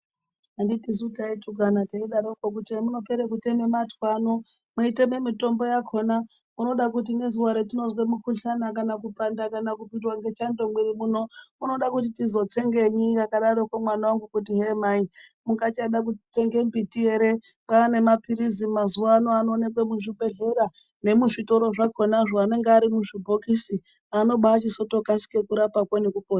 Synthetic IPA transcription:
anditizutaituɡʱanateiɗaɾokok̬utemuno̞peɾekutemematwano | muite̞memito̞mbo̞jakʰo̞na | uno̞ɗakut̬ine̞zuwaɾetino̞zwemukuɬanakanakupandakanakupindwaŋɡe̞t͡ʃando̞ŋɡweɾimuno̞uno̞ɗakut̬itizo̞t͡se̞ŋɡe̞ɲijakaɗaɾokwamwanawaŋɡukutiɦemaimuŋɡat͡ʃaɗak̬utit͡se̞ŋɡe̞mbitie̞ɾe̞ | paːne̞mapiɾizimazuwaːno̞anoːne̞k̬wemuʐipe̞ɮe̞ɾa | ne̞muʐito̞ɾo̞ʐako̞naʐoane̞ŋɡeaɾimuʐibʱo̞kisi | ano̞ɓat͡ʃiso̞to̞kasi̥ke̞kuɾapakwanekupoːta

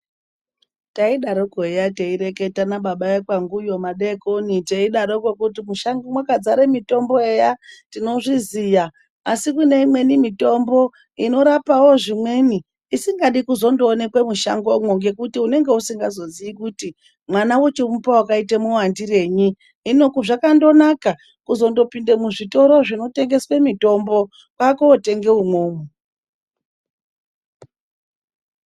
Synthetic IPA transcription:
taiɗaɾokoejateiɾe̞ke̞tanaɓaɓaekwaŋɡujo̞maɗekoniteiɗaɾokokutimuʃaŋɡomwakad͡zaɾemito̞mbo̞e̞jatino̞ʐizijaː | sikune̞imwe̞nimito̞mbo̞ | ino̞ɾapawo̞ʐimwe̞ːniː | siŋɡaɗikuzo̞ndo̞ːne̞kwemuʃaŋɡo̞mwoŋɡe̞kutiune̞ŋɡe̞usiŋɡazo̞ziikuti | mwanawot͡ʃemupawakaitemuwandire̞ːɲiː | no̞kuʐakando̞naka | kuzo̞ndo̞pindemuʐito̞ɾo̞ʐino̞te̞ŋɡe̞swe̞mito̞mbo̞ | kwakoːte̞ŋɡe̞umwoːmu

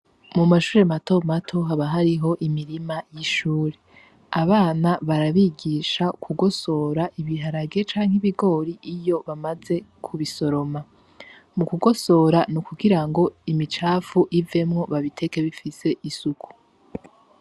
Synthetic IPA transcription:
mumaʃuːɾe̞mato̞matʰo̞ɦaβaɦaɾiɦo̞ʔimiɾimajiʃuːɾe̞ | aβaːnaβaɾaβiːɡiːʃakʰuɡo̞so̞ːɾaʔiβiɦaɾaɡe̞t͡ʃaːŋ̥iβiɡo̞ːɾiʔijo̞βamaze̞kʰuβiso̞ɾo̞ma | mukuɡo̞so̞ːɾanukuɡiɾaŋɡo̞imit͡ʃaːfuʔive̞mŋo̞βaβitʰe̞ke̞βifise̞ʔisukʰu̥

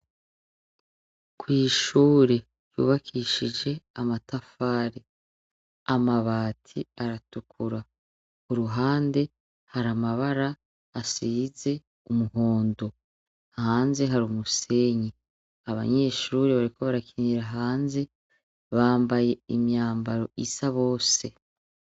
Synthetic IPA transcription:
kwiːʃuːɾe̞ | jṵːβakʰiʃid͡ʒe̞amatafaːɾe | amaβaːtʰiaɾatukʰuɾa | kuɾuɦaːnde̞ | haɾamaβaɾaː | siːze̞ | umuɦo̞ːndo | haːnze̞ɦaɾumuse̞ɲi | aβa̰ɲe̞ʃuːɾeβaɾikʰo̞βaɾakʰiniɾaɦaːnze̞ | βaːmbaje̞imjaːmbaɾo̞̰isaβo̞ːse̞

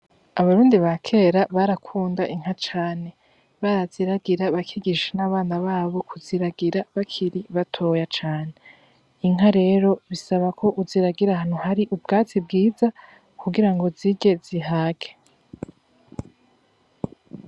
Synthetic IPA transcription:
aβaɾuːndiβakʰe̞ːɾaβaɾakʰuːndaʔiŋ̥hat͡ʃaːne̞ | βaɾaz̥iɾaɡiɾaβakʰiɡiʃenaβaːnaβaːβo̞kʰuziɾaɡiɾaβakʰiɾiβatʰo̞jat͡ʃaːne | iŋ̥ɦaɾe̞ɾo̞βisaβakʰo̞ʔuziɾaɡiɾahan̥uhaɾiʔubɡaːt͡sibɡiːza | kuɡiɾaŋɡo̞ziɟe̞z̥iɦaːɡe

